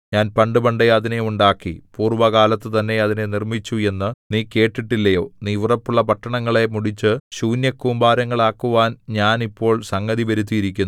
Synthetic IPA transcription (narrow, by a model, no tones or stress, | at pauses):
ɲaːnpɐɳɖɨbɐɳɖeɐðine̞uɳɖaːkːipuːrʋɐkaːlɐt̪ːɨt̪ɐnːe̞ɐðine̞nirmit͡ɕːue̞nːɨniːke̞ːʈːiʈːilːɐjo̞ːniːʋrɐpːuɭːɐpɐʈːɐɳɐŋːɐɭe̞muɽit͡ɕːɨɕuːnjɐkːuːmbaːɾɐŋːɐɭaːkːuʋaːnɲaːnipːo̞ːɭsɐŋɡɐðiʋɐɾut̪̬ːijiɾikʲːunː